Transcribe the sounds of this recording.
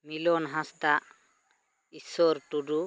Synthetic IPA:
milɔnɦãst̪aʔ | isɔɾʈuɖu

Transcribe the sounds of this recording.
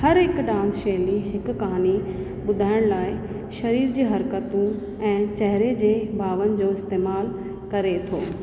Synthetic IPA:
hɐɾɦɪkɖãːnsʃeliɦɪkkɐɦaːni | ɓʊd̪ʱaːɪɽ̃laːɪ | ʃɐɾiːɾd͡ʑiːɦɐɾkət̪ũ | ɛ̃ːt͡ɕɛɦɾed͡ʑeːbʱaːʋənɪ̆d͡ʑoːɪst̪eːmaːl | kɐɾet̪ʰo̰ː

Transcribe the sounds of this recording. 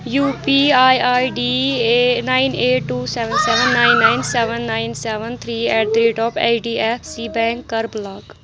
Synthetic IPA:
juːpiːaːjaːjɖiːenaːɪneːʈʈuːsɛːʋənsɛːʋənːaːɪnːaːɪnsɛːʋənːaːɪnsɛːʋənt̪ʰɾiːɛːʈ̚d̪ɾeːʈɔːpʰa̰ːɖiːɛpʰsiːbɛ̃ːŋkːəɾblaːɡ

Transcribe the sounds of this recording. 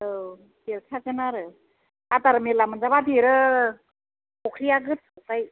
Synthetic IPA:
ɯ | deɾkʰakɯnaɾɯ | at̪aɾɯmelamɯnzabad̪eɾɯ | kokʰɾijaɡɯt̚sɯpaj

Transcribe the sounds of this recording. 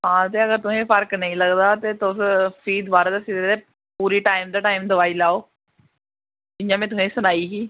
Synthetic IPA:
ɦãːt̪eːəɡəɾt̪ʊsẽːpʰəɾknə̃ĩːləɡd̪aːt̪eːt̪ʊsfiːd̪ʋaːɾeːd̪esiːd̪d̪eː | puːɾiːʈaːɪmd̪aːʈaːɪmd̪əʋaːiːlaːoː | d͡ʒɪɲd͡ʒãːmɛ̃ːt̪̬ʊsẽːsʊnaːiːɦiː

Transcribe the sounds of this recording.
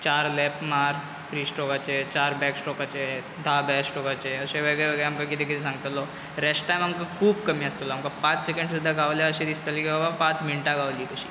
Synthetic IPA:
t͡ɕaɾlɛpmaɾ | fɾiːsʈɔkat͡ɕet͡ɕaɾbɛksʈɔkat͡ɕe | d̪ʱabɛksʈɔkat͡ɕeəseʋeɡɭeʋeɡəɭɛamkakit̪ekit̪ʰisãŋɡt̪əlɔ | ɾesʈʈajmamkakʰuːbkəmiːəst̪əlɔːmkapãt͡ssekəɳɖsud̪ʱːaɡaʋljaəɕẽd̪ist̪əlkibabapãt͡sminʈaɡaʋliːkəɕi̥̰ː

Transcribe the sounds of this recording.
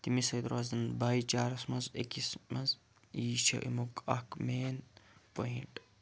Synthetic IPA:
t̪imisɐjd̪ɾaːzɐnbajt͡ʃaːɾɐsmɐnzḛkismɐz | iːʃʰɐ̰ʔḭmukɐ̰kmeːnpoiɳʈ

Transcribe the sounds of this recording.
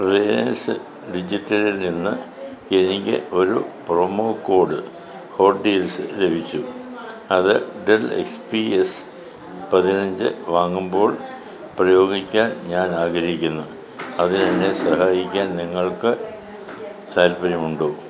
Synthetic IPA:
preːnɐnsɨ | ɖid͡ʑitːɐɾilninːɨ | enikʲːɨ̰ʔo̞ɾṵpromoːkːo̞ːɽɨ | ho̞ːɖiːlsɨlebʱit͡ɕːu | ɐðɨɖelḛkspies | pɐðinɐɲd͡ʑɨ̰ʋaːŋːumbo̞ːɭ | prɐjo̞ːɡikʲːaːnɲaːnaːɡɐɾɐɦikʲːunːu | ɐðinɐnːesɐɦaːjikʲːaːnniŋːɐɭkɨ | t͡ɕaːlpɐɾimuɳɖoː

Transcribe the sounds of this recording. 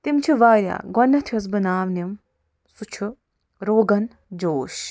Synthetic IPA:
t̪imt͡ʃʰiʋaːɾʲja̰ːɡɔnːɐt̪ʰjɐs̬bɨnaːʋnɐm | sut͡ʃʰu | ɾoːɡɐn | d͡ʒoːʃ

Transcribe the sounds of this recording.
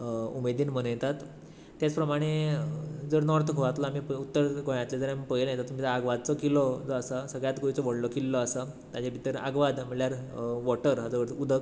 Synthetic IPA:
umed̪iːnmənjet̪at̪ː | jat͡spɾəmaɽ̃e | d͡zəɾnɔɾt̪kʰoʋat̪laamiput̪ːəɾɡojãt̪led͡zəɾampəjeljet̪at̪ːum̤id͡zəaɡʋad̪̚t͡sɔkilɔd͡zɔasasəɡɭjat̪ɡojt͡sɔʋəɽlɔkilːɔasa | t̪ad͡ʑabʱit̪əɾa̰ɡʋad̪məɭjaɾʋɔʈəɾɦad͡zəʋəɾʰud̪ʱək

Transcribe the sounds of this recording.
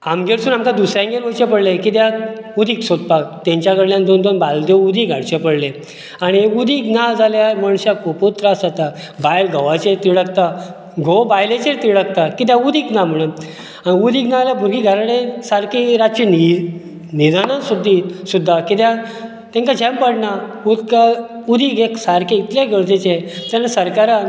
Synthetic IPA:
amɡeɾsuːnamkad̪usɾjãŋɡeɾʋut͡ɕepəɽlekit̪̬jãud̪ʱiːksot̪̚pakt̪ãɲt͡ɕjakəɽljãnd̪ond̪onbald̪joud̪ʱiɡʱaɽt͡ɕepəɽle | aɽ̃iud̪ʱiːknad͡zʱaljaməɳɕakoput̪ɾasat̪a | bajlɡʱəʋat͡ɕeɾt̪iɽəkt̪a | ɡʱobajlet͡ɕeɾt̪iɭək̚t̪akit̪̬jãud̪ʱiknam̤əɽ̃un | ãiud̪ʱiːɡnãljabʱuɾɡiɡʱaɾaɽẽsaɾkiɾat͡ɕini | nid̪anãsud̪ʱːisud̪ʱːakit̪jã | t̪ɛ̃ŋkad͡ʑɛ̃mpəɽnaud̪ka | ud̪ʱiːɡeksaɾkẽit̪ljaɡʱəɭt̪et͡ɕet̪ãnasəɾkaɾãn

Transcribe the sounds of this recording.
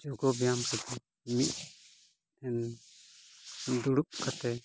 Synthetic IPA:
d͡ʒɔɡɔbijamkɛd̪ɛ | mit̪̚ | ɛn | d̪uɽuʔ̚kat̪ɛ

